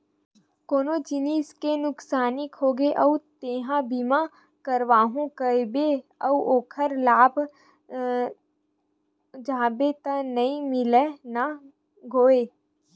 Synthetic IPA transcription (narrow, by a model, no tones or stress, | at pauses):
koːnod͡ʒɪniːskenʊksaːnɪkɦoːɡeʔəut̪eːɦãbima | kəɾʋaːɦũkəbeɐuʔoːkʰəɾlaːb | d͡ʒaːbet̪anɐĩmɪlena | ɡʱoːeː